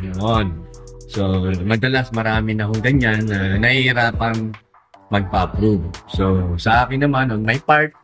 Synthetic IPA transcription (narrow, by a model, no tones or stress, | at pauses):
noʔonso̞mɐd̪ɐlasmɐɾaːmɪnɐhoŋɡɐɲanːɐnɐhihɪɾaːpɐŋ | mɐɡ̚papɾuvso̞sɐʔaːkɪnːɐmanʔɐŋmɐjpaɹt̪̚